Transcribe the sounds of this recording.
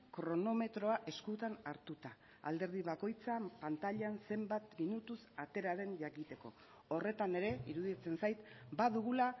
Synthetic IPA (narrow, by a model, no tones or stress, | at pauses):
kɾo̞no̞me̞t̪ɾo̞aʔe̞skut̪anaɾt̪ut̪a | a̰ld̪e̞ɾð̞iβako̞jt͡sapant̪aʎanse̞mbat̪minut̪usat̪e̞ɾaɾe̞nʝakit̪e̞ko̞̰ | ore̞t̪ane̞ɾe̞iɾuðit͡se̞nsajt̪baðuɣ̞ula